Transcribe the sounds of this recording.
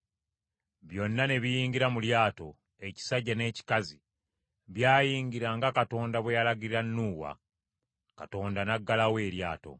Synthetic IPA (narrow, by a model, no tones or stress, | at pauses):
βjo̞nːane̞βijiːŋɡiɾamuljaːto̞̰ | e̞ci̥saɟːane̞ːci̥kazi | βjaːjiːŋɡiɾaŋɡakato̞ːndaβwejalaɡiɾiɾanːuːwa̰ | kato̞ːndanaɡːalawe̞ːɾjaːto̞̰